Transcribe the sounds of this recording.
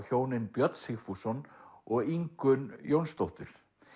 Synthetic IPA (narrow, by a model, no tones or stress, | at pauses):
çoːwnɪnpjœt̪n̥shɪxfusɔnɔɣiŋkʏnjownst̪owht̪ʏɾ̥